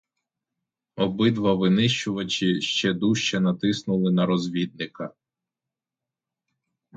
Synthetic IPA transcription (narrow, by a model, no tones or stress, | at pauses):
ɔbɪd̪ʋɐʋɪnɪʃt͡ʃʊʋɐt͡ʃɪʃt͡ʃɛd̪uʃt͡ʃɛnɐt̪ɪsnʊlˠɪnɐɾɔzʲʋʲid̪̚nɪkɐ